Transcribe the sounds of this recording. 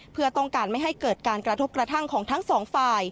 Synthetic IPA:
pʰɯ˥˩ɐt̪ɔ˥˩ŋkaː˧nma˥˩jɦa˥˩jkɤː˨˩t̪̚kaː˧nkɾa˧t̪ʰo˦˥p̚kɾa˧t̪ʰa˥˩ŋkʰɔː˩˦ŋt̪ʰa˦˥ŋsɔː˩˦ŋfaː˧j

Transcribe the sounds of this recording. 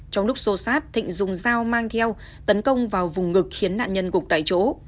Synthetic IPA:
t͡ɕɔ˧wŋ͡mlʊ˦˥k͡p̚so˨˦saː˦˥t̚t̪ʰḭ˧˨ŋ̟zʊ˨˩ŋ͡mzaː˧wmaː˧ŋt̪ʰɛ˧w | t̪ə˨˦nkə˧wŋ͡mvaː˨˩wvʊ˨˩ŋ͡mːɨ˨˩k̚xi˨˦ənːa̰ː˧˨nɲə˧nkʊ˨˩k̚t̪a̰ː˧˨jt͡ɕo̰˧˨˦

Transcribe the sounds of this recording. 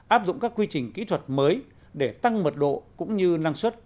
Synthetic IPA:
ʔaː˦˥p̚zʊ̰˧˨ŋ͡mkaː˦˥kːwi˧t͡ɕï˨˩ŋ̟kḭ˧˥t̪ʰwə˨˩t̚məː˨˦j | ɗe˧˩t̪a˧ŋmə˨˩t̚ɗo̰˧˨kʊ̰˧˥ŋ͡mɲɨ˧naː˧ŋswə˦˥t̚

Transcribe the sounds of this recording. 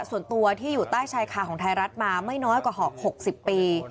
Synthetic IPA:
su˨˩ənt̪u˧ɐt̪ʰiː˥˩juː˨˩t̪aː˥˩jt͡ɕʰaː˧jkʰaː˨˩kʰɔː˩˦ŋt̪ʰa˧jɾa˦˥t̪̚maː˧ma˥˩jnɔː˦˥jkwaː˨˩ɦɔː˨˩k̚ho˨˩k̚si˨˩pːiː˧

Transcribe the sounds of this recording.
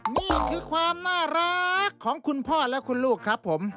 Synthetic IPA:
niː˥˩kʰɯː˧kʰwaː˧mnaː˥˩ɾa˦˥kʰːɔː˩˦ŋkʰu˧npʰɔː˥˩lɛ˦˥kʰu˧nluː˥˩kʰːɾa˦˥pʰːo˩˦m

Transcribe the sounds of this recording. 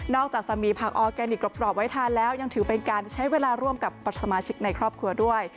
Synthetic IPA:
nɔː˥˩k̚t͡ɕaː˨˩k̚t͡ɕa˨˩miː˧pʰaː˨˩k̚ʔɔː˧kɛː˧ni˨˩k̚lo˨˩pɾɔː˨˩p̚wa˦˥jt̪ʰaː˧nlɛː˦˥wja˧ŋt̪ʰɯː˩˦pe˧nkaː˧nt͡ɕʰa˦˥jweː˧laː˧ɾu˥˩əmka˨˩pːa˨˩t̪̚sa˧maː˧t͡ɕʰi˦˥k̚na˧jkʰɾɔː˥˩p̚kʰɾu˧ɐdu˥˩əj

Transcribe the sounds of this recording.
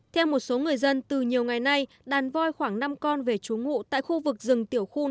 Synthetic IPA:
t̪ʰɛ˧wmo˨˩t̚so˨˦ŋɨ˨˩əjzə˧nt̪ɨ˨˩ɲi˨˩əwŋa˨˩jna˧j | ɗaː˨˩nvɔ˧jxwaː˧˩ŋna˧mkɔ˧nve˨˩t͡ɕu˨˦ŋṵ˧˨t̪a̰ː˧˨jxu˧vɨ˨˩k̚zɨ˨˩ŋt̪i˧˩əwxu˧

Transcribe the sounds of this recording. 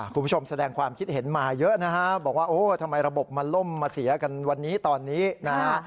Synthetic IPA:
kʰu˧nʰpu˥t͡ɕʰo˧msa˧dɛː˧ŋkʰwaː˧mkʰi˦˥t̪̚he˩˦nmaː˧jɤ˦˥na˦˥kʰa˦˥bɔː˨˩k̚waː˥˩ʔoː˧˩t̪ʰa˧mːa˧jɾa˧bo˨˩p̚ma˧nlo˥˩mːaː˧si˩˦ɐka˧nwa˧nːiː˦˥t̪ɔː˧nːiː˦˥na˦˥kʰa˦˥

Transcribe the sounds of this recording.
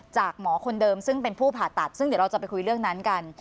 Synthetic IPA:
t͡ɕaː˨˩k̚mɔː˩˦kʰo˧ndɤː˧msɯ˥˩ŋpe˧npʰuː˥˩pʰaː˨˩t̪ːa˨˩t̪̚sɯ˥˩ŋdɾa˧wt͡ɕa˨˩pa˧jkʰu˧jɾɯ˥˩əŋna˦˥nka˧n

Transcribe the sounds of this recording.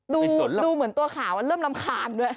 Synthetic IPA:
duː˧˨˦duː˧mɯ˩˦ənt̪u˧ɐkʰaː˩˦wʔa˧nɾɤː˥˩mla˧mkʰaː˧ndu˧˥˩ə

